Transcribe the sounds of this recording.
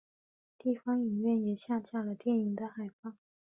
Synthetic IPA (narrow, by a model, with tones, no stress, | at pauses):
t̪i˥˩fɑ˥ŋi˨˩nɥɛ˥˩njɛ˨˩ɕja˥˧t͡ɕja˥˩lə˩t̪jɛ˥˩ni˧˥ŋd̪ə˧xa˨˩ɪpɑ˥˩ŋ